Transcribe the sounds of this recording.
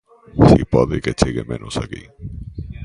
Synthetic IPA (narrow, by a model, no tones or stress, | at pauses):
sipɔðeket͡ʃiɣemẽnosaki